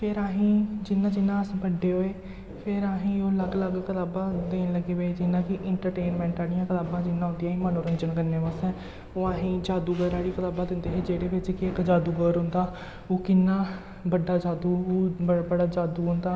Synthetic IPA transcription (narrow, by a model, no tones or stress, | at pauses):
pʰɪɾaːɦĩːd͡ʒɪnːãːd͡ʒɪnːãːəsbəɖːeːɦoːeː | pʰɪɾaːɦĩːoːləɡləɡkət̪aːbãːd̪eːnləɡeːʋeːd͡ʒɪnːãːkɪʔɪɳʈəɾʈeːnmɛ̃ːɳʈaːɽɪjãːkət̪aːbãːd͡ʒɪnːãːɦʊnd̪ijãːɦĩːmənoːɾənd͡ʒənkəɾneːbasɛː | oːaːɦĩːd͡ʒaːd̪uːɡəɾaːɽiːkət̪aːbaːd̪ɪ̃nd̪eːɦed͡ʒeːɽeːʋɪt͡ʃkɪɪkd͡ʒaːd̪uːɡəɾɦʊ̃nd̪aː | oːkɪnːãː | bəɖːaːd͡ʒaːd̪uːoːbəbəɽaːd͡ʒaːd̪uːɦʊ̃nd̪aː